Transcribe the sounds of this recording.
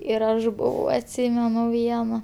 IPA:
ɪr ˈɐʃ ˈbʊʋɐʊ ɐtʲˈsʲiːmʲɛnʊ ˈʋʲiɛnɐ

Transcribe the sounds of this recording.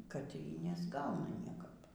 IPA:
kɐt iː nʲɛzˈɡɐʊnɐ ˈnʲiɛkɐp

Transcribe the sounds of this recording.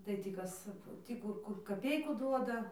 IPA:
tɐɪ ˈtʲiː ˈkɐs ˈtʲiː kʊr ˈkʊr kɐˈpʲɛɪkʊ ˈduɔdɐ

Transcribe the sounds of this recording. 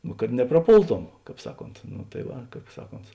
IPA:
nʊ kɐt nʲɛprɐˈpoːlˠˌtoːm ˈkɑːp ˈsɑːˌkoːnt nʊ tɐɪ ˈʋɐ ˈkɑːp ˈsɑːˌkoːnt

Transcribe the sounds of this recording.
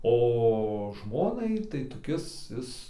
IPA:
oː ˈʒmoːnɐɪ ɪr tɐɪ toːˈkʲɪs ˈɪs

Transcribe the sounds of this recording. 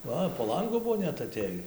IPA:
ˈʋɐ poː ˈlˠɐŋɡʊ ˈbʊʋoː ˈnʲɛt ɐˈtʲeːjiː

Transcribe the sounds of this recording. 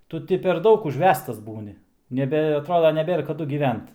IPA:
ˈtʊ tʲɪ pʲɛr ˈdɐʊk ʊʒʲˈʋʲæːstɐs ˈbuːnʲɪ nʲɛˈbʲɛ ɐˈtroːdɐ nʲɛˈbʲeːr kɐˈdʊ ɡʲiːˈʋʲɛnt

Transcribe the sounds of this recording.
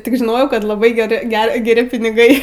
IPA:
ˈtʲɪk ʒʲɪˈnoːjɛʊ ˈkɐt lˠɐˈbɐɪ ɡʲɛˈrʲɪ ˈɡʲɛ ɡʲɛˈrʲɪ pʲɪnʲɪˈɡɐɪ

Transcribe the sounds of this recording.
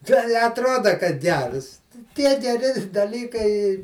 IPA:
ˈtʲɛɪ ɪ ɐtˈroːdɐ kɐt ˈɡʲɛrs ˈtʲiɛ ɡʲɛˈrʲɪ dɐˈlʲiːkɐɪ

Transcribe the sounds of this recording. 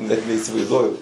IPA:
ˈnʲɛt nʲɛɪsʲɪʋɐɪzˈduɔjʊ

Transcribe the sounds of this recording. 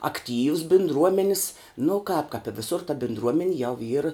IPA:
ɐkˈtʲiːws bʲɪndˈruɔmʲɛnʲɪs nʊ kɑːp kɐp ɪ ʋʲɪˈsʊr tɐ bʲɪndˈruɔmʲɛnʲɪ jɛʊ iːr

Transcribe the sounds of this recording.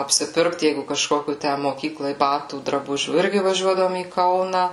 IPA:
ɐpʲsʲɪˈpʲɪrkt ˈjɛɪɡʊ kɐʃˈkoːkʲuː ˈtʲæ moːˈkʲiːklˠɐɪ ˈbɑːtuː drɐˈbʊʒʲuː ˈɪrʲɡʲɪ ʋɐˈʒʲuɔdɐʋoːm iː ˈkɐʊnɐ

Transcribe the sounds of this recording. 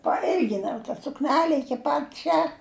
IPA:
pɐˈɪlʲɡʲɪnɐʊ tɐ sʊkˈnʲæːlʲɛ ɪˈkʲɪ pɐt ˈt͡ʃʲɛ

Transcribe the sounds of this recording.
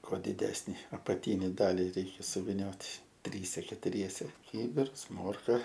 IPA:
ˈkuɔ dʲɪˈdʲæːsʲnʲɪ ɐpɐˈtʲiːnʲɪ ˈdɑːlʲɪ ˈrʲɛɪkʲɛ sʊʋʲɪˈnʲoːtʲ ˈtʲrʲiːsʲɛ kʲɛtʊˈrʲiɛsʲɛ ˈkʲiːbʲɪrs ˈmoːrkɐ

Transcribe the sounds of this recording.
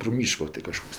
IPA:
proː ˈmʲiːʃkoː tʲɪ kɐˈʃkoːks

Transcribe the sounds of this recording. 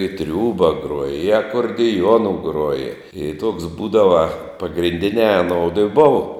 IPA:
ɪ ˈtʲrʲuːbɐ ˈɡruɔjɛ ɪ ɐkoːrʲdʲɪˈjuɔnʊ ˈɡruɔjɛ ɪ tuɔks ˈbuːdɐʋɐ pɐɡrʲɪnʲˈdʲɪnʲæː ɐˈnoːʊdʊ ɪ ˈbʊʋoː

